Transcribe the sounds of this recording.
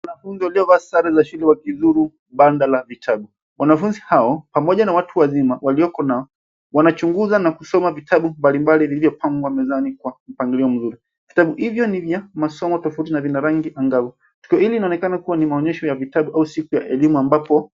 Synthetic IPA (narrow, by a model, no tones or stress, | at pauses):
wanafunziwaliɔvaːsaɾazaʃulɛwakizuɾu | ɓandalavitʰaɓu | wanafunzihaɔpamɔʄanawatʰuwazimawaliɔkɔnaɔ | wanat͡ʃuŋɡuzanakusɔmavitʰaɓumbalimbalivilivjɔpʰaŋɡwamɛzanikwam̩paŋɡiliɔm̩zuɾi | vitaɓuhivjɔnivjamasɔmɔtɔfautinavinaɾaŋɡiʔaŋɡavɔ | tu̥kiɔhiliːnaɔnɛkanakuwanimaɔɲɛʃɔjavitaɓuʔausikujaʔɛlimuambapɔ